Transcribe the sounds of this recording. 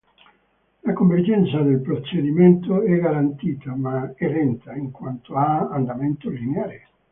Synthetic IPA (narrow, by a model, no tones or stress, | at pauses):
lakoɱverd͡ʒɛnt̪sad̪elpɾot͡ʃːed̪iment̪oɛɡaɾant̪iːt̪amaɛrɛnt̪aiŋkwant̪oaaːnd̪ament̪olineaːɾe